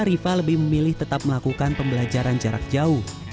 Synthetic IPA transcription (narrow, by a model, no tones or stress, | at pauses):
aɾifaləbɪhməmilɪht̪ət̪ap̚məlakukanpəmbəlad͡ʒaɾand͡ʒaɾa̰k̚d͡ʒauh